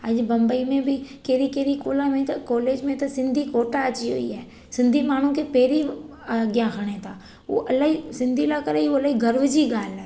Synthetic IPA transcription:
ɐd͡ʒbɐ̃mbəimẽbʱɪkeːɾikeːɾikoːlamẽt̪ɐkɔːleːd͡ʒmẽt̪ɐsɪ̃nd̪ʱikoːʈaɐt͡ʃiɦo̰ḭaːɛ | sɪ̃nd̪ʱimaːɳ̤ũkepeːɾi | ɡjãxʰəɽ̃et̪ʰaː | o̰ːʔɐlaːɦisɪ̃nd̪ʱilakɐɾeioɐlaːiɡɐɾʋd͡ʒiɡaːla

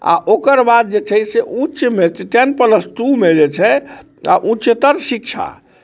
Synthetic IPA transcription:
a̰ʔokəɾbad̪̚d͡ʒet͡ʃʰəjseʔũt͡ʃmeʈɛnpələsʈumed͡ʒet͡ʃʰɛ | a̰ʔũt͡ʃt̪əɾsikt͡ʃʰa̰

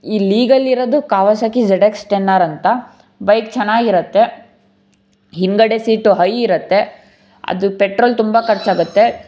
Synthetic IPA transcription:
iːliːɡɐliɾod̪ukaːʋɐsakid͡ʒɛɽeksʈenːaːɾɐnt̪ɐ | bɐjk̚t͡ʃɐnaːɡiɾɐt̪ːe̞ | ɦiŋɡɐɽesiːʈuɦɐjiɾɐt̪ːe̞ | ɐ̰d̪upeʈɾoːlt̪umbɐkɐɾt͡ʃaːɡut̪ːe̞

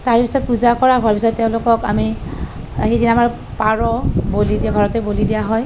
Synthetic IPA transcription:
taɹpisɔt̚puzakɔɹaɦʊaɹpisɔttːeʊ̃lʊkɔka̰mi | xedinamaɹ | paɹɔbolidiaɡʱɔɹɔtɛbolidijaɦɔj

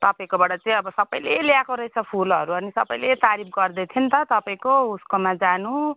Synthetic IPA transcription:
t̪ʌpaĩkobaɽʌt͡saĩʌbʌsʌbʌjleljakoɾʌjt͡sʰʌpʰulʌɾuʌnisʌ̰bʌjlet̪aɾimɡʌrd̪et̪ʰjint̪ʌt̪ʌpaĩkouskomad͡zanu

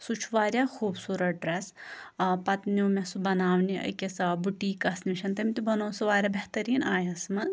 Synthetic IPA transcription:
sut͡ʃʰuʋaːɾʲjaːxʰuːbsuːɾɐʈ̚ɖɾɐs | pɐt̪nimʲɐsubɐnaːʋniʔɐ̰kʲesɐbuʈiːkɐsniʃʰɐnt̪ɐmit̪ubɐnoːsɐʋaːɾʲaːbʲeht̪ɐɾiːnaːjɐsmɐ

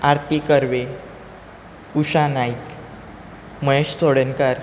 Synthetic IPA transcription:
aɾt̪ikəɾʋe | uɕanaik | məjeɕt͡soɽənkəɾ

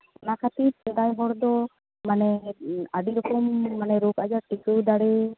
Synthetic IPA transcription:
nakʰat̪iɾsɛd̪ajɦɔɽd̪ɔ | manɛaɖiɾɔkɔmːanɛɾokad͡ʒaʈikəwd̪aɽɛ

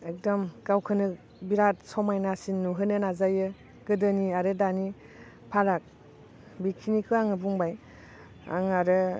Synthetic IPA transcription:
ek̚dɔmɡ̥awkʰɯnɯ | biɾat̚sɔmajnasinːuɦɯnɯnazajɯ | ɡ̥ɯdɯniaɾɯdani | pʰaɾak̚ | bikʰinikʰɯaŋɯbuŋbaj | a̰ŋaɾɯ

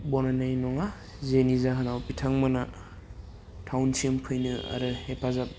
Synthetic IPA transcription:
bɔnanajnɔŋa | zenizaɦanawpitʰaŋmɯna | tʰawnsimpʰɯjnɯa̰ɾɯhepʰazap̚

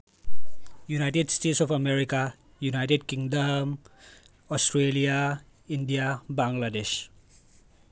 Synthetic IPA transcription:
junaɪʈeɖsʈeʈsɔfɐmeɾika | junaɪʈeɖ̚kĩŋɖəm | ɔsʈɾelija | inɖijabãŋɡladeʃ

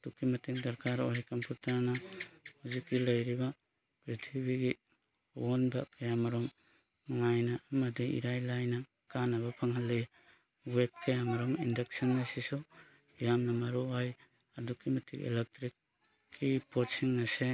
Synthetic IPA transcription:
dukːimɐtʰiŋdɐɾkaɾɔɦajkɐmpʰuɾtaɾnahuzikːilɐjɾiba | pɾitʰibiɡi | wɔnba̰kʰajamaɾɔm | ŋajnaːmɐdiḭɾajlajna | kanɐβapʰaŋɦalːɯj | web̚kʰɐjamɐɾɔmindek̚sɔnːasisɔ | jamnɐmaɾuaj | adukːimɐtʰikḛlek̚tɾikʰː | ipot̚siŋnase

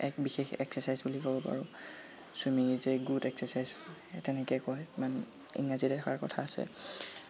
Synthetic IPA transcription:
ɛk̚bixexɛ̰ksɛsajzbulikɔbɔpa̰ɹu | sumizeɡutɛksɛsajztɛnɛkɛjkɔjman | ḭŋazidɛtʰakaɹkɔtʰaːsɛ̰

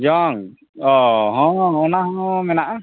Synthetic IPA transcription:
d͡ʒɔŋ | ɔɦɔ̃ɔnahɔ̃mɛnaʔa

